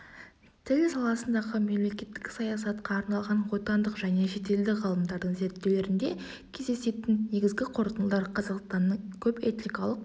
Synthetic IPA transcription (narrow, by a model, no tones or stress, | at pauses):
t̪ʰɪlsɑlˠɑsənd̪ɑʁəme̞mle̞kʲe̞t̪ːɪkʲsɑjɑsɑt̪qɑːɾnɑlˠʁɑnwo̞t̪ɑnd̪əqʒæne̞ʃe̞t̪e̞ld̪ɪʁɑlˠəmd̪ɑɾd̪əɴze̞ɾt̪ːewle̞ɾɪnd̪e̞ | kʲʰe̞zd̪e̞se̞t̪ɪnne̞ɡʲɪzɡʲɪqʰo̞ɾt̪ənəlˠd̪ɑɾqʰɑzɑqst̪ɑnːəɴkʲʰɵpe̞t̪nikɑlˠəq